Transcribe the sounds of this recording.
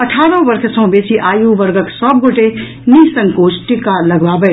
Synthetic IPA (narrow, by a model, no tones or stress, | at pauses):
əʈʰaɾə̃bəɾkʰsə̃ɦbet͡ʃiʔajuʋəɾɡəksəb̚ɡoʈe | nisəŋkot͡ʃʰʈikːaləɡbabə